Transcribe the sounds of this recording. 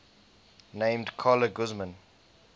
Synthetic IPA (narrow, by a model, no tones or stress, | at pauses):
nẽɪ̃mdkʰɔləɡʊzmə̃n